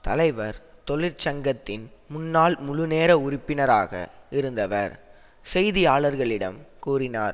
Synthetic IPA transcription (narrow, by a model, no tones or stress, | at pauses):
t̪ɐlɐɪʋɐɾt̪ɔɭɪɾt͡ʃɐŋɡɐt̪ːɪnmʊnːaːlmʊɻʊneːɾɐʊrɪpːɪnɐɾaːɣɐ̰ɪɾɯnd̪ɐʋɐ̰ɾ | sɛjðɪjaːɭɐɾɣɐɭɪɽɐ̰mkuːrɪna̰ːɾ